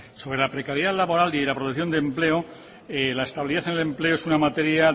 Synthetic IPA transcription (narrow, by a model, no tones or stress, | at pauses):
so̞βɾe̞lapɾe̞kaɾjalaβo̞ɾalilapɾot̪ekθjo̞nd̪emple̞o | elaest̪aβiliðaθenele̞mple̞oe̞sunamat̪e̞ɾja